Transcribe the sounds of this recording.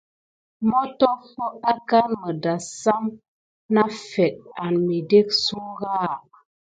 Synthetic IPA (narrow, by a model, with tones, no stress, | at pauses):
mɔ˦tɔ˦fo˦a˦ka˦nmə˨da˨sa˦m | na˦fɛ˨t̚a˨nmi˨de˦k̚su˦ɣa˦˨